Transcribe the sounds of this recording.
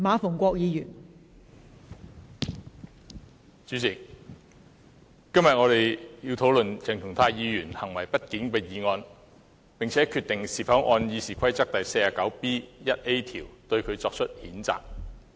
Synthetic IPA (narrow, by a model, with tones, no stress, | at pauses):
maː˨˧fʊ˨˩ŋkʷɔː˧k̚jiː˨˧jyː˨˩n | t͡syː˨˥t͡sɪ˨˩k̚ | kɐ˥mjɐ˨t̚ŋɔː˨˧t̪e˨jjiː˧wt̪ʰo˨˥wlɵ˨nt͡sʰɪ˨˩ŋt̪ʰʊ˨˩ŋt̪ʰaː˧jiː˨˧jyː˨˩nhɐ˨˩ŋwɐ˨˩jpɐ˥t̚kiː˨˥npɛ˨˧jiː˨˧ŋɔː˧n | pɪ˨˩ŋt͡sʰɛː˨˥kʰyː˧t̪ɪ˨ŋsiː˨˩fɐ˨˥wʔɔː˧njiː˨˧siː˨kʷʰɐ˥jt͡sɐ˥k̚t̪ɐ˨jse˧jaː˨˩kɐ˨˥wpiː˥jɐ˥t̚e˥jt̪ʰiː˨˩wt̪ɵ˧ɥkʰɵ˨˧t͡sɔː˧k̚t͡ʃʰɵ˥t̚hiː˨˥nt͡sa̰ː˨k̚